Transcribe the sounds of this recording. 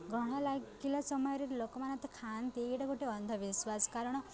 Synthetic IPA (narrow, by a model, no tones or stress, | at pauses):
ɡʱɔɽ̃alakilasɔmɔjɾiɾlokmanat̪kʰant̪eɡiʈaɡʱoʈeɔnd̪ʱɔʋisʋaskaɾɳ̃ɔ